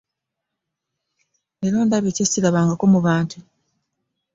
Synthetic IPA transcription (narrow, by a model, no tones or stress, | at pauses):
elo̞ːndaβecesciɾaβaːŋɡakomuβaːntʰu